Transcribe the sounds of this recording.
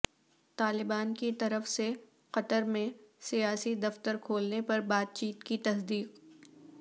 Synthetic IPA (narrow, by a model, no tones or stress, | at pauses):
t̪aːlɪbaːnkit̪ɐɾəfse | qɐt̪əɾmẽsijaːsid̪ɐft̪əɾkʰoːlnepɐɾbaːt̪̚t͡ʃiːt̪kit̪ɐsd̪iːq